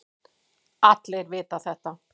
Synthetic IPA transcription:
at̪lejɾvɪːt̪aθɛht̪a

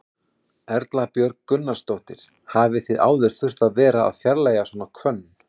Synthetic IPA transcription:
ɛɾt̪lapjœɾkkːʏnːast̪owht̪ɪɾ̥ | haːvɪθɪða̰ːwðɪɾ̥θʏr̥t̪aðvɛːɾaa̰ðfjaɾlaːjasɔːnakʰvœnː

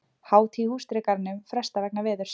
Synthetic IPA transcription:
haːwt̪ʰihuːst̪ɾɪkaɾnːʏmfɾɛst̪avɛknavɛːðʏɾ̥s

